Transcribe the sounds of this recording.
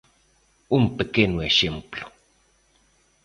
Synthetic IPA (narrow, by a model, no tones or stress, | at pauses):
umpekenoexemplo̥